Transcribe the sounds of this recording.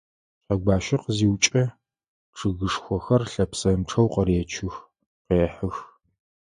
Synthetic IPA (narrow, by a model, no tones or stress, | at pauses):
qɐɡʷaːʃɐqziːwt͡ʃʼɐ | ʈ͡ʂʰɨɣɨʂxʷɔxɐrɬɐpsɐmʈ͡ʂʰɐwqɐɾeːt͡ʃʰɪx | qeːħɨx